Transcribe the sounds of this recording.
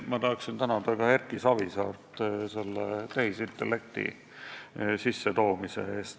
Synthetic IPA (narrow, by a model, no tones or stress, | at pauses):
mɑt̪ɑhɑksint̪ænɑd̪ɑkɑerkːˑisɑvisɑːrt̪ˑse̞lːet̪ehisint̪ːˑelːe̞k̚t̪ḭ | sisːet̪o̞ːmise̞eːst̪